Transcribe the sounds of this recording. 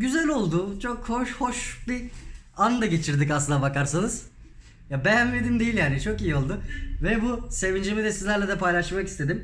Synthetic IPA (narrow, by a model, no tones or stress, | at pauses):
ɟyzælʲo̞lˠd̪ʊt͡ʃʰokhoʃho̞ʃbi | and̪aɟe̞t͡ʃʰiɾd̪icaslˠɯnd̪abakaɾsanɯz̥ | jabejæmled̪imd̪ejilʲjaːnit͡ʃʰo̞kijio̞lˠd̪ʊvɛbuse̞vind͡ʒimid̪ɛsizlʲæɾlʲɛd̪ɛpʰajlˠaʃmaki̥st̪ʰe̞d̪im